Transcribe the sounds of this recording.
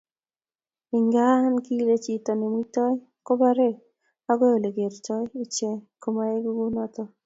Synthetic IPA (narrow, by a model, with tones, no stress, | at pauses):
i˨ŋɡa˦nki˦le˦t͡ʃi˨t̪ɔ˨ne˨mu˦tɔ˦j | kɔ˦ba˦ɾe˦ | a˦ɡɔ˦jɔ˨le˨ɡe˨ɾt͡ʃɔ˦ji˦t͡ʃe˦ko˦ma˦e˦ɡu˦ɡu˦nɔ˦t̪ɔ˦